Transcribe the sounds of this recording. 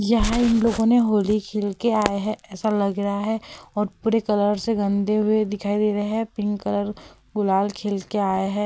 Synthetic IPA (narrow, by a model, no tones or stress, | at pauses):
jɐɦãɪnloːɡõneɦoːlikʰeːlkeaːeɦɛɛːsalɐɡɾɦaɦɛɔːɾpuːɾekɐləɾseɡɐ̃nd̪eɦʊed̪ɪkʰaːid̪eːɾɐɦeɦɛpɪ̃ŋɡkɐləɾ | ɡʊlaːlkʰeːlkeaːjɦɛː